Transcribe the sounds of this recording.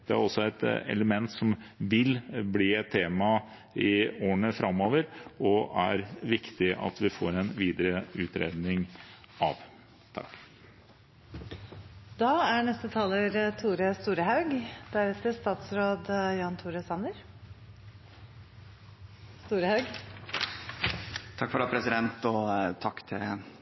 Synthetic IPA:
d̪̥ɛæ̰ɾɔsːɔɛt̪ɛ̰ləmɛnt̪sɔmʋɪlbliːɛt̪ʰːeːmɑ | ɪoːəɳəfɾʔɑmːoːʋəɾɔæ̰ɾʋɪkt̪ɪʔɑ̰t̪ʋɪfo̰ːɾɛnʋiːd̪əɾəʉːt̪ɾḛːd̪nɪŋ | ɑ̰ʋ | t̪ʰɑ̰kː | d̪̥ɑːæɳɛst̪ət̪ʰɑːləɾt̪ʰuːɾəst̪uːɾəhɑʉɡd̪̥æɾɛt̪əst̪ɑːt̪sɾoːd̪jɑːnt̪ʰuːɾəsɑnəɾ | st̪uːɾəhɑʉɡ | t̪ʰɑkːfɔɾɑːpʰɾɛsɪd̪ɛnt̪ɔt̪ʰɑkːt̪ʰɪ

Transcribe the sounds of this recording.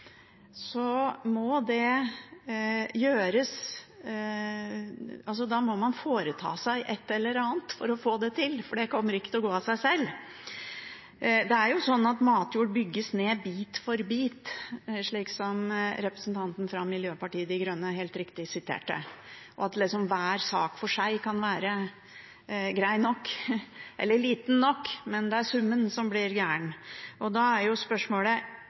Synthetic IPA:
sɔmɔd̪ɛ | jøːɾəs | ɑls̬ɔd̪ɑːmɔmɑnfoːɾət̪ʰɑ̰ːsæɪʔɛt̪ːɛlːəɾɑːnt̪fɔɾɔfoːd̪ɛt̪ʰɪlfɔɖɛkʰɔmːəɾɪkət̪ɪlɔɡoːɑsæɪsɛlː | d̪ɛæɾjʊsɔnːɑt̪mɑːt̪juːɖbʏɡːəsneːbiːt̪fɔɾbiːt̪ʂɭiːksɔmɾɛpɾəsnt̪ʰɑnt̪n̩fɾɑmɪljøːpɑʈiːəd̪ɪɡɾœnːəɦeːlt̪ɾɪkt̪ɪsɪt̪ʰḛːʈə̰ʔɔ̰ɑt̪lɪsɔmʋæːɾsɑːkfɔʂæɪkʰɑnʋæːɾə | ɡɾæɪnɔkːʔɛ̰lːəɭiːt̪nːɔkːmɛnd̪ɛæsʉmːənsɔmblɪɾɡæːɳɔd̪ɑæɾjʊspœʂmoːlə

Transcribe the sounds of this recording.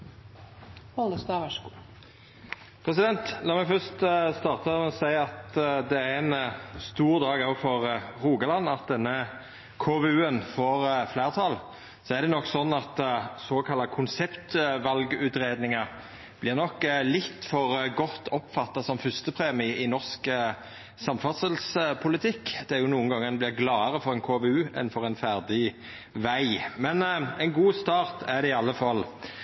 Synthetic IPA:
ɔld̪əst̪ɑɑʃ | pʰɾɛs̬ɪd̪ɛnt̪lɑːmɛɡfœst̪st̪ɑːʁt̪əɔsæɪɑt̪d̪ɛæɛnst̪uːʁd̪ɑːɡɑʋfɔʁʁuːɡɑlɑnːɑt̪̚d̪ɛnːə | kʰoːʋɛʉːənfoːʁflæːʁt̪ʰɑl | sɔɛʁd̪ɛnɔkːsɔnːɑt̪soːkʰɑlːɑkʰʊnsɛpt̪ʋɑlɡʉːt̪ɾeːd̪nɪŋɑ | b̥lɪʁnɔkːlɪt̪ːfɔɾɡɔt̪ːɔpfɑt̪ːɑsɔmfʏst̪əpʰʁeːmɪɪnɔʁskə | sɑmfɑt̪səlspʰʊlɪt̪ʰɪkːd̪̥ɛæɾjʊnuːənɡɑŋːəʁɛblɪʁɡlɑːəʁəfɔɾʁɛnkʰoːʋeʉːɛ̰nfɔʁɛnfæʁd̪ɪ | ʋæɪmɛnɛɪnɡuːst̪ɑːʁt̪ʰæʁd̪ɛɪɑlːəfɑlː

